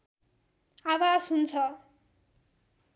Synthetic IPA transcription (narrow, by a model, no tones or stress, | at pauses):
awasɦunt͡sʰʌ